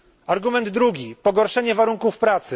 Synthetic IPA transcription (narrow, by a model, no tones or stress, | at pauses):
aɾɡumɛnd̪ːɾuɡʲipɔɡɔɾʂɛɲɛvaɾuŋkufpɾat̪sɘ